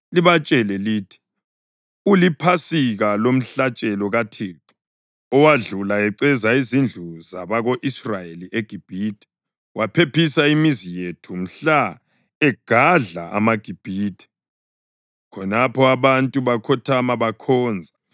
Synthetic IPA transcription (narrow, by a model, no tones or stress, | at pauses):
liβat͡ʃʼɛlɛliːtʰi̥ | ulipʰasiɣalom̩ɬat͡ʃʼɛlɔɣatʰeːǁu̥ | ɔwaɮulaɛǀɛzaizind͡ɮʱuzaβaɣoʔisrajeliʔeɡ̥ʱib̥ʱiːtʰʼɛ̥ | wʔapʰepʰisaimizijetʰum̩ɬa | ɛɡ̥ʱaɮa̰ʔa̰maɡ̥ʱib̥ʱiːtʰʼɛ̥ | kʰɔnapʰɔaβantʼuβakʰɔtʰamaβakʰɔːnd͡zʱa